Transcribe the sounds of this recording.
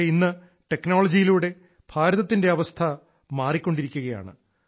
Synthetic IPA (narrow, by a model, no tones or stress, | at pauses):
inːɨ | ʈe̞kːno̞ːɭɐd͡ʑijiluːɽe̞ | b̥ʱaːɾɐðɐt̪ːinde̞ɐʋɐst̪ʰɐ | maːrikʲːo̞ɳɖiɾikʲːuɣɐja̰ːɳɨ̰